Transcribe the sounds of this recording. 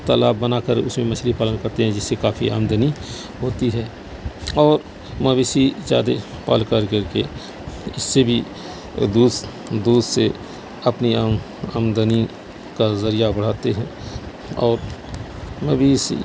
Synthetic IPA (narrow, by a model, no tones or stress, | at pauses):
t̪əlaːbːənakəɾʊ̰smẽmət͡ʃʰlipaːlənkəɾt̪eɦɛ̃d͡ʒɪsːekaːfʰia̰ːmd̪əni | ɦoːt̪iɦɛː | ɔːɾ | məbiːsid͡ʒa̰ːd̪epa̰ːlkəɾkəɾke | ɪsːebʱi | d̪uːd̪ | d̪uːd̪se | əpni | əmd̪əni | kazəɾijabəɽ̤aːt̪eɦɛ̃ː | ɔːɾ | məbiːsḭ